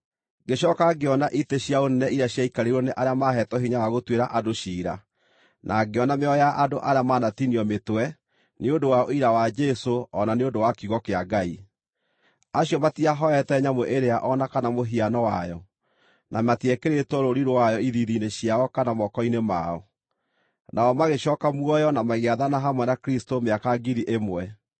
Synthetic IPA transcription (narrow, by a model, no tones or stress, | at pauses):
ɡeɕɔkaɡeɔnaʔiteɕjaonɛnɛiɾaɕjaikaɾeɾɔneʔaɾeamaɦɛtɔɦiɲawaɣotweɾaʔadoɕiːɾa̰ | nʔaɡeɔnameɔjaʔadoʔaɾeamaːnatiniɔmetwɛ | neondowaoiɾawad͡ʒɛsoɔnaneondowakuɣɔkeaɡai | aɕjɔmatiaɦɔɛtɛɲamoʔeɾeaʔɔnakanamoɦianɔwajɔ | nʔamatiɛkeɾetɔɾoɾiɾoajɔiðiðineɕiaɔkanamɔkɔinemaɔ | nʔaɔmaɣeɕɔːkamwɔjɔnamaɣeaðanaɦamwɛnakɾistomeakaɡiɾiʔemwɛ